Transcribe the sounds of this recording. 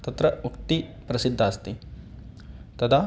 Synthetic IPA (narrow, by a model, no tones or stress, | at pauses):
t̪ɐt̪ɾɐukt̪i | pɾɐsid̪ʱːaːst̪i | t̪ɐd̪ʰaː